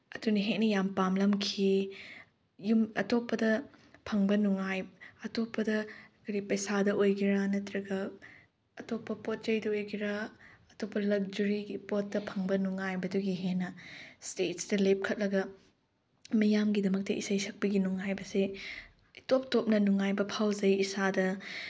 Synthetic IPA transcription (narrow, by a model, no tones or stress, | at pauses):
ɐdunɐɦek̚nɐjampamlɐmkʰi | jumɐtopːɐdɐpʰɐŋbɐnuŋajɐtopːɐdɐkʰoɾipɐjsadɐʔojɡiɾanɐtɾɐɡɐ | ɐtopːɐpot̚t͡ʃɐjdɐojɡiɾaɐtopːɐlɐk̚d͡ʒɐɾiɡipot̚dɐpʰɐŋbɐnuŋajbɐduɡiɦenɐstet̚sdɐlep̚kʰɐt̚lɐɡɐ | mɐjamɡidɐmɐk̚tɐʔḭsɐjsʰɐk̚pɐɡinuŋajbɐse | top̚top̚nɐnuŋajbɐpʰawzɐjisadɐ